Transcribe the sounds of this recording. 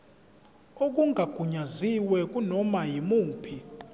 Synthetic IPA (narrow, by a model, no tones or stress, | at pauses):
ok̬ʼuŋʱaɡ̥ʱuɲaziwɛk̬ʼunɔmajimuːpʰi